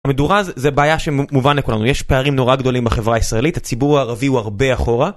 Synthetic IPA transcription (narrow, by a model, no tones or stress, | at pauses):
meduʁazzebeajaʃemuvanlekulanujɛʃpe̞aʁimno̞ʁaɡd̪o̞limbaχe̞vʁaisʁaelithat͡sibuʁaːʁaviuaʁbe̞aχo̞ʁa